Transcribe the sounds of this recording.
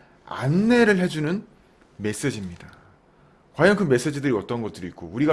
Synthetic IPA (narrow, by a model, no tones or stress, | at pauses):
a̰nːe̞ɾɯɭɦe̞d͡ʑunɯn | me̞s͈e̞d͡ʑimɲida | kwajʌnkɯme̞s͈e̞d͡ʑidɯɾiʌt͈ʌnɡʌt͈ɯɾoitk͈ouɾiɡa